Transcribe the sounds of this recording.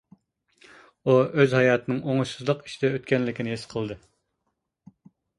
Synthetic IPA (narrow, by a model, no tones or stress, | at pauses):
uøzhɑjɑːt̪ʰɨnɨŋoŋuʃsɨzlˠəqi̥ʃid̪ɛøt̪kʲɛnlɪkʲinɪɦesqʰəlˠd̪ɨ